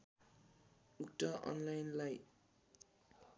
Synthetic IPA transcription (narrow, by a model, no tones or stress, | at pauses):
ukʈʌʔʌ̰nlajnlaj